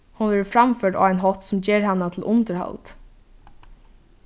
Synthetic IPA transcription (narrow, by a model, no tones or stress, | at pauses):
hunʋɛːɹfɾamfœːʈa̰ːaɪnɦɔht̪sʊmd͡ʒɛːɹhanːat̪ʰɪlʔʊnt̪əɾha̰lt̪